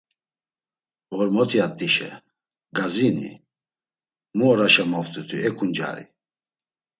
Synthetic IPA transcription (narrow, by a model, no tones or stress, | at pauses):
ɣɔɾmɔt̪ʰiat̪ʼiʃɛ̰ | ɡazinḭ | muɔɾaʃamɔft̪ʼut̪ʰuɛkʰʼund͡ʒa̰ɾḭ